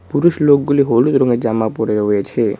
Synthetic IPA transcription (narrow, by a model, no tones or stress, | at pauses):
puɾuʃloɡuliɦolut̪ɾɔŋɡed͡ʒamapɔɾeɾɦojet͡ʃʰe